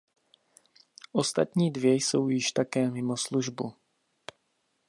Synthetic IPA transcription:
ʔo̞st̪at̪ɲiːdvjɛjso̞wjɪʃt̪akɛːmɪmosluʒbu

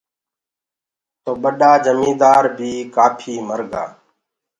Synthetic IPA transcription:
t̪oːɓəɗaːd͡ʒəmĩːd̪aːɾbʱiːkaːpʰiːməɾɡa̰ː

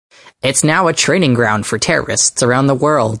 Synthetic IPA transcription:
ɪtsnaʊətʰɹ̥ẽɪ̃nɪ̃ŋɡɹãʊ̃nd̥fə˞tʰɛɹə̰˞ɨ̰stsə˞ãʊ̃nðəwɜ˞lˠd̚

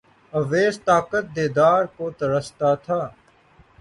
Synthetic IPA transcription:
əʋeːst̪aːkət̪̚d̪eːd̪aːɾkoːt̪əɾəst̪aːt̪ʰaː

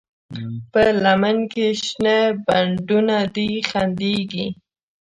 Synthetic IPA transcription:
pəlamankeʃnebaɳɖunad̪ixand̪eɡi

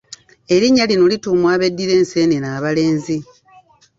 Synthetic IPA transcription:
e̞ɾiɲːalinolituːmwaːβe̞dːiɾe̞ːnse̞nenaːβale̞ːnzi

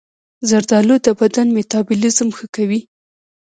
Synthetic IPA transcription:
zaɾd̪ɑlod̪əbad̪anmet̪ɑbʊlɪzmxəkawi

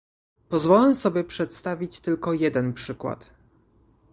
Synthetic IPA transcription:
pɔzvɔlɛsɔbʲjɛpʂɛt̪st̪avʲit͡ɕt̪ɘlkɔjɛd̪ɛnpʂɘkwa̰t̪

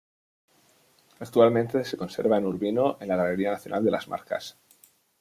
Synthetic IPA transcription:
ak̚t̪ualmẽnt̪e̞se̞ko̞nse̞̰ɾβaenuɾβinoʔenlaɣale̞ɾianaθjonʔa̰ld̪e̞lʔa̰zma̰ɾka̰s

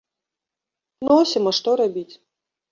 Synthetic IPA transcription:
nɔsʲimɐʂt̪ɔɾabʲit͡sʲ

